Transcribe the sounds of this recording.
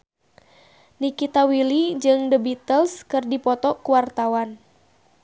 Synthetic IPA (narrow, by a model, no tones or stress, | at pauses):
nikit̪awilid͡ʒɨŋdəbit̪əlskɨrdipɔt̪ɔkuwart̪awan